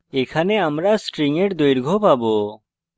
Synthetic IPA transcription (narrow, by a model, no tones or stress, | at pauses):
ɛkʰanɛamɾasʈɾiŋɛʈd̪ojɾɡʱɔpabɔ